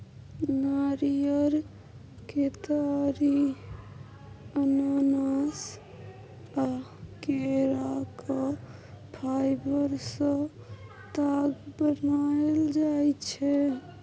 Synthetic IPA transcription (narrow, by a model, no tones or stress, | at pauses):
naɾijəɾ | ket̪aɾi | ənanas | akeɾakɔ | pʰajbəɾsə̃ | t̪aɡbənaeld͡ʒajt͡ʃʰɛ